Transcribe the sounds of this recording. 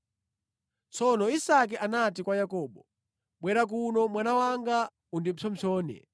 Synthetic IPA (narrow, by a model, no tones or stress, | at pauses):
t͡sʰɔnɔisak̬ɛʔanatikwajakɔːɓɔ | ɓwɛɾak̬unɔmwanawaŋɡa | undimt͡sʰɔmt͡sʰɔːnɛ̰